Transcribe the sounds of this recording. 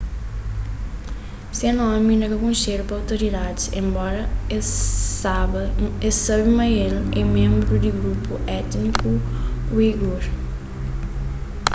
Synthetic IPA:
senɔ̃minɐkɐkõnʃeɾupɾawt̪uɾid̪ad̪sḛ̃mbɔɾɐ | esaβimɐjelɛmẽmbɾud̪iɡɾupuɛt̪nikukwiɡoɾ

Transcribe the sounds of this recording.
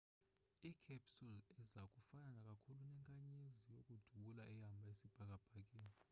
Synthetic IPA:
ikʰɛpsulɛzakʼufananakʼakʰulunɛŋkʼaɲezijokʼud̥ʱuɓulaʔɛjambʱaesib̥ʱak̬ʼab̥ʱak̬ʼeːni

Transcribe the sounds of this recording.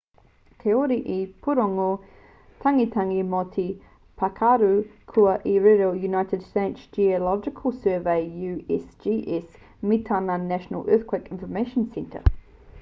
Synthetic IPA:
t̪ʰeɔɾiʔipʰuɾɔŋo | tʰaŋitʰaŋimɔtʰi | pʰakʰaɾukʰuaʔiɹɛɾəljunaɪtədsteɪtsd͡ʒiəlɔd͡ʒɪkʰəlˠsɜːveɪjʉɛsd͡ʒiʔɛs | mitʰananæʃənə̰lˠɜːˑθkʰwekɪ̃nfəmeɪʃə̃nsɛ̃ntʰə̰

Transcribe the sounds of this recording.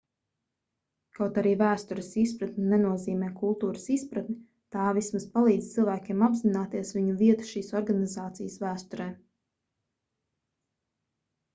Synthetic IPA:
kawt̪aɾiːvæːst̪uɾəsispɾat̪nʲinɛnuɔziːmɛːkulˠt̪uːɾəsispɾat̪nʲi | t̪aːvismaspalˠiːd̪z̥ʲt̪ɨlˠvæːkʲeɛmabzinaːt̪iɛsʋiɲuviɛt̪u̥ʃiːsɔɾɡanizaːt̪sijəsvæːst̪uɾɛː

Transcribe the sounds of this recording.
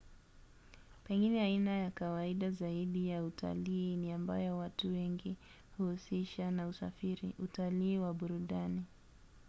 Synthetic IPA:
pɛŋɡinɛainajakawaiɗazaiɗijautʰa̰liːniambajɔwatuwɛŋɡi | huhusiʃanausa̰fiɾiutaliːwaɓuɾuɗani

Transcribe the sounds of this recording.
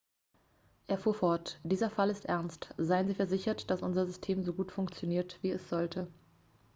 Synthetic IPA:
ʔeːɐfuːɐfɔɐtd̥iːzɐfalɪstʔɛɐnstz̥aɪənziːfɛɐzɪçɐtd̥asʔʊnzɐzʏstʰeːmzoɡuːtfʊŋkt͡sjoniːɐtv̥iːɛsz̥ɔltʰə

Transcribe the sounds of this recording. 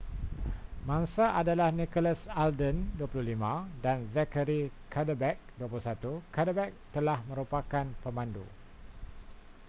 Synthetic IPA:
mãŋsaʔadalahnikɔləsaldənduapuluhlimãdanzɛkəɾikʰadəbɛk̚duapulusat̪ukadəbɛk̚t̪əlahmə̃ɾupakanpəmãndṵ

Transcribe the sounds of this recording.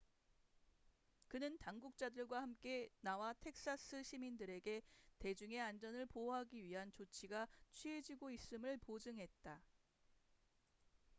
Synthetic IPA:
kɯnɯntaŋɡuk̚t͡ɕ͈adɯɭɡwahamk͈e̞nawatʰe̞k̚s͈as͈ʰɯɕʰimindɯɾe̞ɡe̞te̞d͡ʑuŋe̞and͡ʑʌnɯɭpoɦaɡiɥiɦant͡ɕot͡ɕʰiɡat͡ɕʰɥied͡ʑiɡois͈ɯmɯɭpod͡ʑɯŋɦe̞t̚t͈a

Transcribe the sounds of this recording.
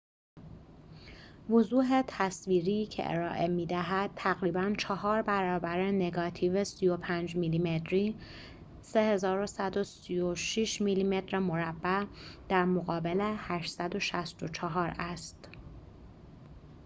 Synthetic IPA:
vozuːɦe̞t̪ʰæsviːɾiːcʰḛʔḛɾɒːʔe̞miːd̪æɦæd̪̥̚t̪ʰæɣɾiːbænt͡ʃʰɒɦɒːɾbæɾɒːbæɾene̞ɡɒːt̪ʰiːvesijo̞pʰæːnd͡ʒmiːliːmet̪ʰɾiː | se̞he̞zɒːɾosæd̪osijoʃiʃmiːliːme̞t̪ʰɾemoɾæbːæd̪̥æɾmoɣɒːbelehæʃsæd̪o̞ʃæst̪o̞t͡ʃʰɒɦɒːɾæst̪

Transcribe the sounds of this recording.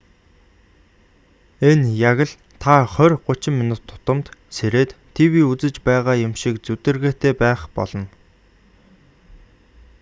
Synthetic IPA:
enjaɣə̆ɮ | t̪ʰaχœrʲɢʊt͡ɕɪ̆mːinʊt̪ʰːʊ̥t̪ə̆mt̪seɾeːt̪ʰːiwiːut͡sɘ̆t͡ɕpæːʁaːjʊmʃikt͡sut̪ɘ̆rɣeːt̪ʰeːpæːχpɔ̰ɮɞ̆n

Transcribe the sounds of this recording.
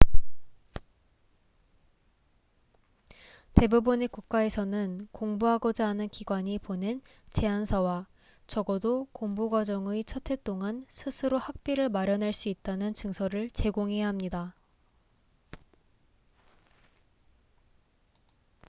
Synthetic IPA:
te̞bubɯne̞kuk̚k͈ae̞sʰʌnɯnkoŋbuɦaɡʌd͡ʑaɦːnɯnkiɡwaɲipone̞n | t͡ɕe̞ansʰʌwa | t͡ɕʌɡʌdokoŋbuɡwad͡ʑʌŋɯit͡ɕʰʌtʰe̞t͈oŋansʰɯsʰɯɾohak̚p͈iɾɯɭmaɾjʌnɦaɭs͈uit̚t͈anɯnt͡ɕɯŋsʰʌɾɯɭt͡ɕe̞ɡoŋɦe̞jaɦamɲida

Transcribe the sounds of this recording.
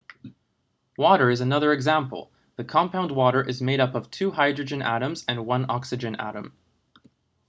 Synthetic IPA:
wɔɾə˞ɨzɨnʌðə˞ɨɡzæ̃mpl̩ˠ | ðɨkʰɑ̃mpʰãʊ̃nd̚wɔɾə˞ʔɨzmeɪɾʌpʌv̥tʰʉhaɪdɹɨd͡ʒɨ̃nʔæ̰ɾɨ̃mzɨ̃nwʌ̃nɑksɨd͡ʒɨ̃næ̰ɾə̰̃m

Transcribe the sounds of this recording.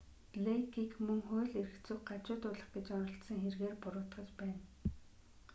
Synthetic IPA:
ɮekiːkmɵŋχʊːɮeɾɘ̆kt͡sʊːɢat͡ɕʊːt̪ʊːɮə̆χɡet͡ɕɔnɞ̆ɬt̪sə̆ŋxerɣeːrpʊɾʊːt̪χə̆t͡ɕpæːn

